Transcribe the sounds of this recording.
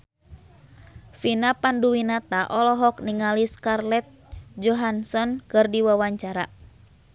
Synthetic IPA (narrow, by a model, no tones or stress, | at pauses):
finapanduwinat̪aʔɔlɔɦɔk̚niŋaliskarlɛt̪̚ | d͡ʒɔɦansɔnkɨrdiwawaɲt͡ʃaɾa̰